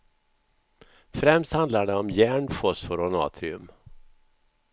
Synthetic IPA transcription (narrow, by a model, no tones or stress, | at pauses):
fɾɛmst̪hand̪laɖɛɔmjæːɳfɔsfɔɾɔnɑ̰ːt̪ʰɾɪɵ̰m